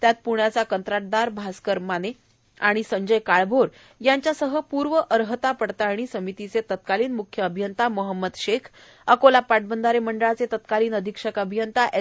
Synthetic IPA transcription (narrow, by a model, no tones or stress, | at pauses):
t̪jat̪̚puɳjat͡sakənt̪ɾaʈ̚d̪aɾbʱaskəɾmane | aɽ̃isəɲd͡ʑəjkaɭbʱoɾ | jaɲt͡ɕjasəɦəpuɾʋəʔəɾɦət̪apəɽt̪aːɽ̃isəmit̪it͡set̪ət̪̚kaliːnmukʰjəːbʱijənt̪aməɦəmːəd̪ɕekʰ | əkolapaʈ̚bənd̪aɾeməɳɖəɭat͡set̪ət̪kaliːnəd̪ʱikʂəkəbʱijənt̪aʔe